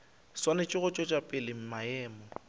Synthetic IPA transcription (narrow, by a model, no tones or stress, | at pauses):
swanɪt͡ʃʼɪɣʊt͡ʃʼɔt͡ʃʼapʼɪlɪm̩maɛːmɔ